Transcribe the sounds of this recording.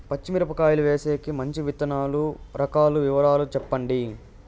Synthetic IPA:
pɐt͡ʃːimiɾɐpɐkaːjuluʋeːseːkimɐɲt͡ʃiʋit̪ɐnaːluɾɐkaːluʋiʋɐɾaːlut͡ʃɛpːɐɳɖi

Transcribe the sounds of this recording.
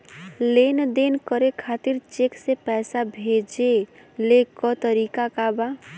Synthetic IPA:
lend̪enkəɾekʰat̪iɾt͡ʃeksepɛːsabʱed͡ʒelekɔt̪əɾikakaba

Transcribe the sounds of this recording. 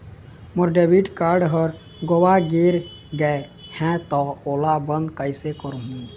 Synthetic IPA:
məɾɖebiʈkaɾɖɦəɾ | ɡowaɡeɾ | ɡɛe | hɛ̃t̪ɔoːlabənd̪kəjsekəɾuɦũ

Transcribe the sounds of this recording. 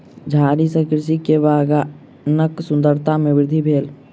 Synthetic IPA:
d͡ʒʱaːɾisə̃kɪɾs̬ikeʋaːɡa | nəksʊ̃nd̪əɾt̪ʰamẽʋɪɾd̪ʱibʱeːl

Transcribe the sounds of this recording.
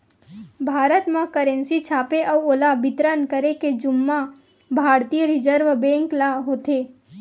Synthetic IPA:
bʱaːɾət̪mãkəɾẽnsit͡ʃʰaːpeʔəuolabɪt̪ɾənkəɾeked͡ʒʊmːã | bʱaɾt̪ijəɾid͡ʒəɾʋbɛ̃ŋklaɦot̪e

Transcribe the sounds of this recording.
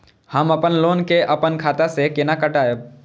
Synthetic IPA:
həməpənloːnkeʔɐpənkʰaːt̪asekɪnakəʈaːe

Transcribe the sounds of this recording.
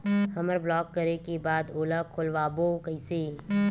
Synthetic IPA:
hɐməɾblɔːkːəɾekebaːd̪oːlakʰʊlʋaːboːkəɪseː

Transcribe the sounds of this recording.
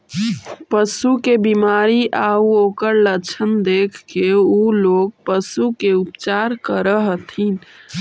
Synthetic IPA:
pəsukebimaɾiʔauokəɾlət͡ʃʰənd̪ekʰkeuloɡ̚pəsukeupt͡ʃaɾkəɾəɦt̪ʰin

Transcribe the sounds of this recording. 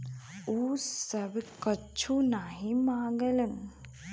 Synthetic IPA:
uːsəbkət͡ʃʰunaɦĩmãːɡələn

